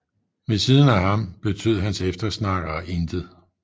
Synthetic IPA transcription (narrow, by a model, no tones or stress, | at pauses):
ʋe̝siðˠn̩æɦɑ̈mb̥e̝t͡sʰø̰ð̰ˠɦænsefd̥ɐsnɑ̈ɡ̥ɐːʔend̥ð̩ˠ